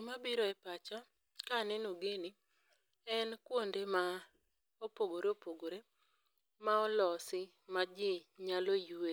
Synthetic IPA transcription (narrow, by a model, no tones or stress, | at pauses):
mabiɾɔɛpat͡ʃɔ | kanɛnoɡeni | ɛnkwondema | opoɡoɾeopoɡoɾe | maɔlɔsɪ | mad͡ʒɪɲalojue